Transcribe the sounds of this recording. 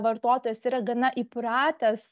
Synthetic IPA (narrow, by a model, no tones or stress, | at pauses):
ʋɐɾt̪oːt̪oːjɛsiːɾɐɡɐnɐʔɪpɾɑːt̪ʲɐs